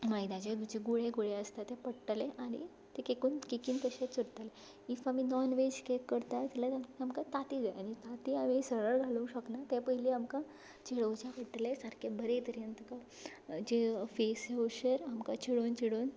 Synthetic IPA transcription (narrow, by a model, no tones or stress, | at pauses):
majd̪ãt͡ɕed̪ud͡ʑeɡuɭeɡuɭeəst̪at̪ːɛpəɽʈleʔanḭ | t̪ekekuːnkikiːnt̪əɕet͡suɾt̪ale | ifaminɔnʋed͡ʑkekːəɽt̪ajt̪ɛlat̪aamkat̪at̪iːd͡zajanit̪at̪iːamisəɭəɾɡʱalũɕəknat̪ɛpəɦiliamkã | t͡ɕiɽəwt͡ɕapəʈːlesəɾkʰebəɾet̪əɾjənt̪əka | d͡ʑefeseoɕəɾamkat͡ɕiɽoːnt͡ɕiɽoːn